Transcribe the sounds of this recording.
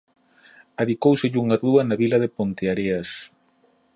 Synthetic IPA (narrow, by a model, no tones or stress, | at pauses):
aðikowseʎuŋaruɐnaβilaðepont̪eaɾeas